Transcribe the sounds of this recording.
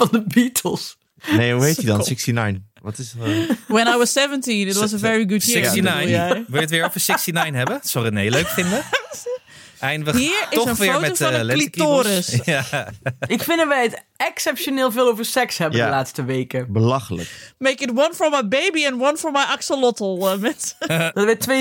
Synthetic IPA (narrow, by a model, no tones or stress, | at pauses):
fɔndəbiːtʰəlˠs | nejuejtidɔnsɪksina̰jn | ʋɔtɪswə̃najwɔz̥sɛvə̃ntĩnɪt̬wɔzəvɛɹiɡʊdjɪɪsinajnjaʋɪətʋɪɹofəsɪksinajnɦɛbəsɔɾineɪløɥkfɪndə | ɛnʋəhiəɹɪɔsə̃nʋɪəɹoːmɛofɔlɛlitoːɾəsa | ɪkfɪ̃ndɔʋɛjət | ɛksɛpʃjonɪːlˠfɪːlˠovəɹsɛkshɛbəalaːtstəʋeːkəbəlaxələ̰kmeɪkɪtwʌ̃nfɔɹmajbeɪbiɛ̃nwʌ̃nfɔɹmajʔaksəlɔtl̩ˠəmɛnsd̥tʋɪtʰʋe